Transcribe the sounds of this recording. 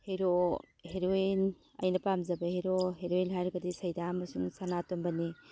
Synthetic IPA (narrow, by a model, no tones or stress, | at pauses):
heɾo | heɾoin | ɐ̰jnɐpamzɐbɐheɾoɦeɾoinɦajɾɐɡɐdisɐjdamɐsuŋsanatombɐni